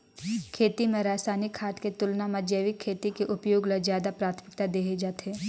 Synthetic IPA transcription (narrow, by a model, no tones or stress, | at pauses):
kʰeːt̪imẽɾaːsaːnɪkʰːaːt̪ket̪ʊlnamɐd͡ʒeːʋɪkʰːeːt̪ikeʔʊpjoːɡləzjaːd̪apɾaːt̪ʰmɪkt̪ad̪eːɦed͡ʒaːt̪eː